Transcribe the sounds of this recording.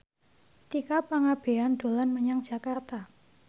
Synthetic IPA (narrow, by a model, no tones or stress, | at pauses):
t̪ikapaŋab̥e̤and̪̥o̤lanməɲaŋd̥ʒ̥a̤kart̪a